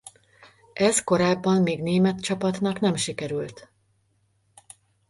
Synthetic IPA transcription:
ʔɛzko̞ɾaːbːɒmːeːɡneːmɛt̪t͡ʃɒpɒt̪nɒkn̪ɛmʃikɛɾylt̪

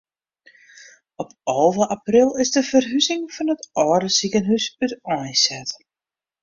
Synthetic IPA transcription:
ɔpɔlˠvəʔaprɪlˠɪzdəfərɦyzɪŋfɔnətɔːdəsikənɦysytɔjsɛt

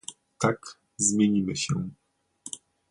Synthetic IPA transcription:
t̪ak | zmʲjeɲimɘɕɛ̰

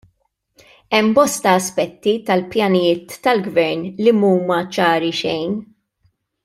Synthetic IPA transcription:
ɛmbɔst̪ɐːspɛt̪ːit̪ɐlpjɐnɪjɪːt̪ːɐlɡvɛɾnlimuːmɐt͡ʃɐːɾiʃɛjn

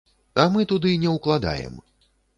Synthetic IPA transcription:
amɨt̪ud̪ɨnʲɛwklˠad̪a̰jɛ̰m

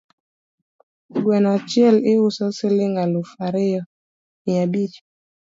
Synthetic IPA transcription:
ɡwɛnat͡ʃjɛlɪusɔsilɪŋɡalufaɾejɔ | iabit͡ʃ

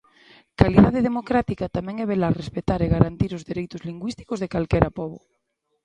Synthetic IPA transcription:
kaliðað̞eð̞emokɾat̪ikat̪amɛ̃ŋɛβelarespet̪aɾeɣaɾant̪iɾozðeɾejt̪ʊzliŋɡwist̪i̥kozðekalkɛɾʔapɔβo̰

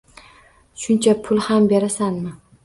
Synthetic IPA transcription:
ʃʊnt͡ʃʰapʰʊlˠhambe̞ɾasanmɪ

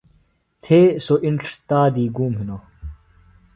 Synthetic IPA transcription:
t̪ʰeːsoʔiɳʈ͡ʂʰt̪aːd̪iːɡuːmɦino

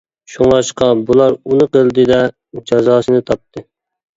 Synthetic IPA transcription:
ʃuŋlˠɑʃqɑbulˠɑɾunɨqəlˠd̪ɨd̪ɛ | d͡ʒɑzɑːsɨnɨt̪ʰɑp̚t̪ʰɨ

